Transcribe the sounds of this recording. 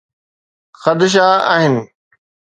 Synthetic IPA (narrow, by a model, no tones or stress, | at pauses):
xɐd̪ɪʃ̬aːa̰ːɦɪnɪ̆